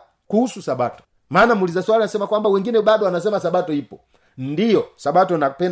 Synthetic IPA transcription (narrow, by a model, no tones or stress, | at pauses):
kuhususaɓatɔ̥ | maːnamulizaswalinasɛmakwambawɛŋɡinɛɓaɗɔanasɛmasaɓatɔipɔ | ndijɔsaɓatɔnapɛn